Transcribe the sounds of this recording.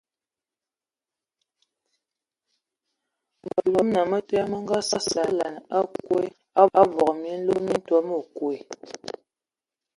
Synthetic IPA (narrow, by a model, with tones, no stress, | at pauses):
mbə˨lo˦mna˨mə˦tɛ˦a˦mə˦ŋ˦ɡa˦sa˦sa˨˦la˨n˨a˦kwe˦ | a˦a˦bɔ˨kmi˨˦n̩˦lo˦mi˦n̩˦twɔ˦mə˦˨kwe˨